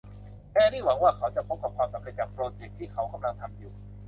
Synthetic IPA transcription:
kɛː˧˩niː˥˩wa˨˩˦ŋwaː˥˩kʰa˨˦˥wt͡ɕa˨˩pʰo˦˥p̚ka˨˩p̚kʰwaː˧msa˩˦mɾe˧˩t̪̚t͡ɕaː˨˩k̚pɾoː˧t͡ɕe˨˩k̚t̪ʰiː˥˩kʰa˨˦˥wkʰa˧mla˧ŋt̪ʰa˧mjuː˨˩

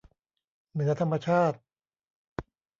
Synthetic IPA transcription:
nɯ˩˦ɐt̪ʰa˧mːa˧t͡ɕʰaː˥˩t̪̚

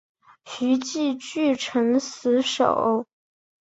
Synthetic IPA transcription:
ɕy˧˥t͡ɕi˥˧t͡ɕy˥˩ʈ͡ʂʰɤ˧˥ŋsɹ̩˧˥ʂo̰˨˩˦ʊ

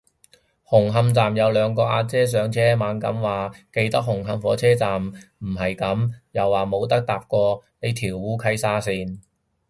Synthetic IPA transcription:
hʊ˨˩ŋɦɐ˧mt͡saː˨mjɐ˨˧wlœː˨˧ŋkɔː˧ʔaː˧t͡sɛː˥s̬œː˨˥ŋt͡sʰɛː˥maː˨˧˥nkɐ̰˨˥mwaː˨ke˧jt̪ɐ˥k̚hʊ˨˩ŋɦɐ˧mfɔː˨˥t͡sʰɛː˥t͡saː˨mm̩˨˩ɦɐ˨jkɐ˨˥mjɐ˨wːaː˨˩mo˨˧wt̪ɐ˥k̚t̪aː˨p̚kɔː˧ne˨˧jt̪ʰiː˨˩wwuː˨˥kʰɐ˧˥jsaː˥siː˧n

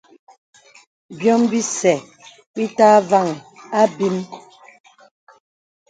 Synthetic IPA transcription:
bjɔ˦mbi˦sɛ˨ | bi˦taː˦va˦˨ŋ˨a˦bi˦m

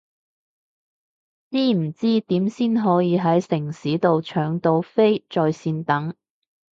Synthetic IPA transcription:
t͡siː˥m̩˨˩t͡siː˥t̪iː˨˥msiː˥nɦɔː˨˥jiː˨˧ɦɐ˨˥jsɪ˨˩ŋsiː˨˥t̪o˨wt͡ʃʰœː˨˩ŋt̪o˨˧wfe˥jt͡sɔː˧jsiː˧nt̪ɐ˨˥ŋ

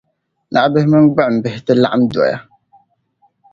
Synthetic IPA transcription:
nʔa̰˨ʔbɨ˦hɪ˦mɨ˦nɡ͡ba˦˨m̩˨bɪ˨hɪ˨˦tɨ˦la̰˦ʔa˦mdɔ̰˨ja̰˦

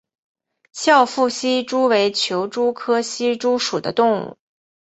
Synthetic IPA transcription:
ɕjɑ˥˧ʊfu˥˩ɕi˥ʈ͡ʂu˥we˧˥ɪt͡ɕʰjo˧˥ʊʈ͡ʂu˥kʰɤ˥ɕi˥ʈ͡ʂu˥ʂu˨˩d̪ə̰˦t̪ʊ˥˧ŋṵ˥˩

